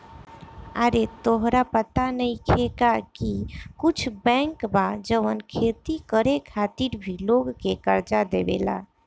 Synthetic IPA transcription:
aɾet̪oɦɾapət̪anəĩkʰekakikʊt͡ʃʰbɛ̃ŋkbad͡ʒəʋənkʰet̪ikəɾekʰat̪iɾbʱiloɡkekəɾd͡ʒad̪ebḛla̰

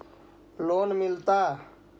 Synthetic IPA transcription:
loːnmɪlt̪aː

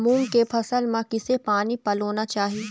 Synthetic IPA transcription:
mũːŋɡkepʰɐsəlmãkɪsepaːnipɐloːnat͡ʃaːɦie

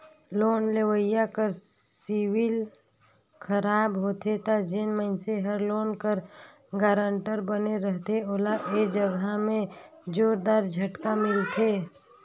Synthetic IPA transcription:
loːnlewəɪjakəɾ | siwil | kʰəɾaːbɦot̪ʰet̪ad͡ʒenməɪnseɦəɾloːnkəɾ | ɡaːɾəɳʈəɾbəneɾəɦt̪eoːlaʔed͡ʒəɡamẽd͡ʒoːɾd̪aːɾd͡ʒʱəʈkamɪlt̪ʰeː

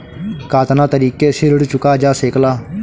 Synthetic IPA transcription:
kaːt̪nãːt̪əɾiːkeːsɪɾəɽt͡ʃʊkaːd͡ʒaːseːklaː

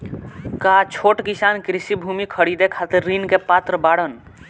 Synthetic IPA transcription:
kat͡ʃʰoʈkisankɾisibʱumikʰəɽid̪ekʰat̪iɾːinkepat̪ɾəbaɽən

